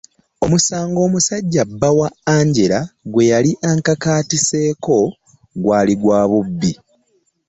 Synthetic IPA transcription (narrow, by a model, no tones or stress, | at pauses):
o̞musaːŋɡo̞ːmusaɟːabːawaaːɲɟe̞ɾaɡwe̞jaliʔaŋkakaːtise̞ːko̞ | ɡwaːliɡwaːβubːi